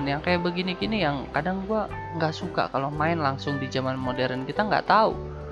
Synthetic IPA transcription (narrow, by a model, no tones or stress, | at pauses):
njaŋkajaʔbəɡinikinijaŋkadaŋɡua | ŋɡaʔsuka̰kalomaɪnlaŋsʊŋdid͡ʒamanmodɛɾənkit̪aŋɡa̰ʔt̪aṵ